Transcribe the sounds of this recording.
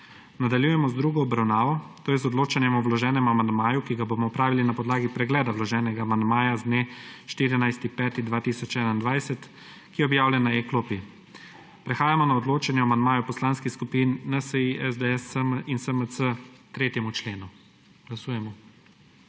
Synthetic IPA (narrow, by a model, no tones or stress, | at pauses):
nad̪aljuːjɛmɔzd̪ɾuːɡɔɔbɾawnaːʋɔt̪oːjɛzɔd̪loːt͡ʃɛnjɛmɔwlɔʒɛːnɛmuamand̪maːjukiɡabomɔɔpɾaːʋilinapɔd̪laːɡipɾɛɡlɛːd̪awlɔʒɛːnɛɡaːmand̪maːjazd̪neʃt̪iːɾinajst̪ipɛːt̪id̪ʋaːt̪isɔt͡ʃɛːnaind̪ʋajsɛt̪ | kijɛɔbjaːwlʲɛnaekloːpi | pɾɛxaːjamɔnaɔd̪loːt͡ʃɛnjɛamand̪maːjɔpɔslaːnskiskupinːəsəiɛzd̪əɛsəminsəməsət̪ɾeːt̪jɛmut͡ʃleːnu | ɡ̥lasuːjɛmɔ